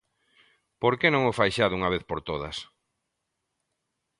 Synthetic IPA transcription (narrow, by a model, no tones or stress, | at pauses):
poɾkenõŋofajʃaðʊuŋaβeθpoɾt̪oðɐs